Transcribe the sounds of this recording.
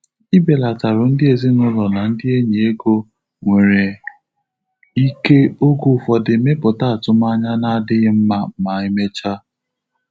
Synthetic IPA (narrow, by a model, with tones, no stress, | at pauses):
i˦be˨la˨ta˨ɾʊ˨n̩˦dɪ˦e˨zi˦nʊ˦lɔ˨na˨n̩˦dɪ˦e˦ɲe˨e˦ɡo˦ | ŋʷe˨ɾe˨ | i˦ke˦o˦ɡʊ˦˨fɔ˨dɪ˨me˦pʊ˨ta˦a˨tʊ˦ma˦ɲa˦na˦˨dɪ˦ɣɪ˦m̩˦ma˦m̩˨˦ma˨ɪ˦me˦t͡ʃa˦